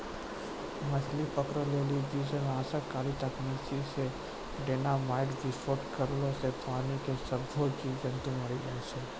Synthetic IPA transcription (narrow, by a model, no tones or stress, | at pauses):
mət͡ʃʰlipəkɾoleːlid͡ʒisemaːsəkːaːɾit̪əkmisise | ɖeːnamaːɪʈd͡ʒisoːʈkəɾlõsepaːnikesəɾbʱoːkid͡ʒə̃nt̪uməɾiʔɛse